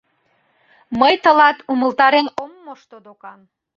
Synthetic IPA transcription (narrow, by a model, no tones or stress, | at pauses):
məjt̪ə̆lɑt̪uməlt̪ɑɾenomːoʃt̪od̪okɑm